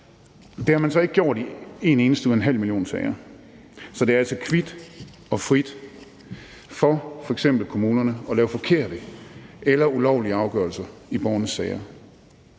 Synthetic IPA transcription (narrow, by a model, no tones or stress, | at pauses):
d̥e̝hɑ̈mænsɒ̽e̝ɡ̥əɡjo̝ɐ̰d̥ie̝ne̝ːnəsd̥əuðˠenɦæl̰miljo̝̰ːnsɛɪɐ | sɒ̽d̥eæɐælsɒkʰʋid̥ | ɒ̽fʁid̥ | fɒfɒ̽eɡ̥sem̰b̥l̩kʰo̝muːnɐnəɒ̽lɛːʊfɒ̽kʰe̝ɐ̰d̥əelɐulɒʊliəɑ̈ʊɡ̥ɶɐlsɐib̥ɒːnəsːɛɪɐ